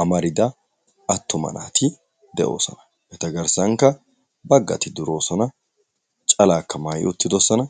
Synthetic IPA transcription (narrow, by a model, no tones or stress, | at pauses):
ʔɐmɐɾɪd̪ɐ | ɐt̪ːɔmɐ̰na̰ːt̪ʰɪ | d̪ɛʔo̞̰ːsɔ̰nɐ̥ | ʔɛt̪ɐɡɐɾsɐŋkːɐ | bɐɡːɐ̰t̪ɪd̪ʊɾo̞ːsɔnɐ | t͡ʃʼɐlaːkʰːɐmajɪ̰ʔʊt̪ːɪd̪ɔsɐnɐ